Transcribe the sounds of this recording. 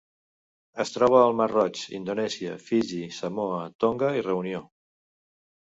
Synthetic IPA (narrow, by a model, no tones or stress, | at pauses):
əst̪ɾɔβ̞əːlˠmərɔt͡ʃḭnd̪onɛziəfiʒisəmoət̪oŋɡəirəunio